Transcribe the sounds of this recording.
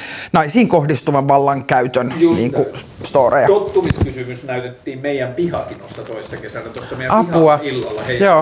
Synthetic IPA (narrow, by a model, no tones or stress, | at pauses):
nɑisiːŋkohdist̪uʋɑʋʋɑlːɑŋkæyt̪ønnḭːŋku | st̪oːrḛjɑot̪ːumiskysymysnæyt̪et̪ːiːmmeijæmpihɑkinosːɑt̪oissːɑkesælːæt̪osːɑmeijæɑpuɑilːɑlːɑheijoː